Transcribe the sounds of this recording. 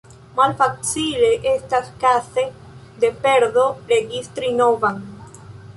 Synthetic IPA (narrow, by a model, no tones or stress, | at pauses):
malfat͡sileʔestaskase | d̪epeɾdoɾeɡist̪ɾinovaŋ